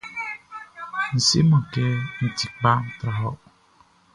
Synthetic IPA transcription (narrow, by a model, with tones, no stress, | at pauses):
n̩˨sḛ˦mɔ̃˨kɛ˦n̩˨ti˨k̚ba˦t̪ɾa˨ɦɔ˦ʔ